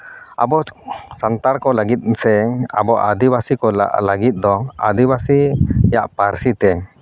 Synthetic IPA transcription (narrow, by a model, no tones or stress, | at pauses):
a̰bɔsant̪aɽkɔlaɡit̪̚sɛa̰bɔʔa̰d̪ibasikɔlaɡit̪̚d̪ɔa̰d̪ibasijaʔpaɾsit̪ɛ